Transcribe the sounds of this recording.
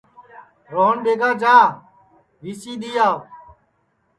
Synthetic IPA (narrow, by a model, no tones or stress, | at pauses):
ɾoːɳɓeːɡaːd͡ʒaː | ʋiːsiːɗ̪iːjaː